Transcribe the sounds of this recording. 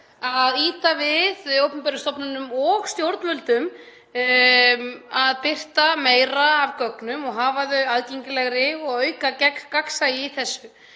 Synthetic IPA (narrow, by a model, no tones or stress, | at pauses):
aðiːt̪avɪðowpʏmpɛɾʏst̪ɔpnʏnʏmɔɣst̪jowɾt̪nvœlt̪ʏm | aðpɪr̥t̪ameːjɾaːvkœknʏmɔɣɦaːvaðʏaðceɲcɪlɛɣɾɪɔɣœːɥkacɛk̪kaksajɪθɛsːʏ